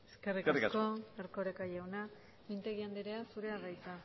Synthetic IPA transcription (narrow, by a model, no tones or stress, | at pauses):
eskerikrko̞eɾkoɾekajawna | mint̪e̞ɣiand̪iɾeasuɾe̞aɣajt͡sa